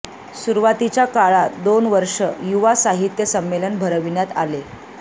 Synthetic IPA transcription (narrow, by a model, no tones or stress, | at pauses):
suɾʋat̪it͡ɕjakaɭad̪onʋəɾʂəjuʋasaɦit̪jəsəmːelənbʱəɾəʋinjat̪a̰le